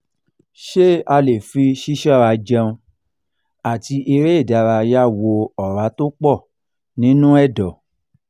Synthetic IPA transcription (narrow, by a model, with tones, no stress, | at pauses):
ʃe˦a˧le˨fi˧ʃi˦ʃɔ˦˨ɾa˧d͡ʒɛ̃˧ũ˧ | a˨ti˧ʔe˧ɾe˦i˦˨da˨˧ɾa˧ja˦wo˧ɔ˨ɾa˨˦to˦k͡pɔ˦˨ | nĩ˨˦nũ˦ɛ˦˨dɔ˨